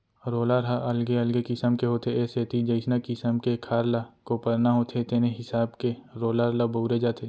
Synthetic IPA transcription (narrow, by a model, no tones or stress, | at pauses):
ɾoːlaɾɦaʔɐlɡeəlɡekɪsəmkeɦoːt̪ʰeeseːt̪id͡ʒəɪsnakɪsəmkekʰaːɾlakopəɾnaɦoːt̪ʰet̪eːneɦɪsaːbkeɾoːlaɾlaboːɾed͡ʒaːt̪ʰeː